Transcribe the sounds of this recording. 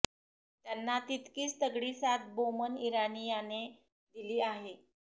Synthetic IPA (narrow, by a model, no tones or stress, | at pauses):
t̪janːat̪it̪kiːst̪əɡɽiːsat̪̚boməniɾanijane | d̪iliːaɦe